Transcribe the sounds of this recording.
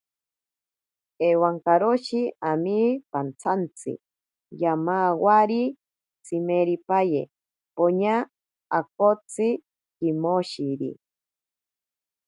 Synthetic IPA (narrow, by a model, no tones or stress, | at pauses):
ewaŋkaɾoʃiamipant͡sʰant͡sʰɨ̰ | jamawaɾi | t͡sʰimeɾipajḛ | poɲaː | kot͡si | kimoʃiɾḭ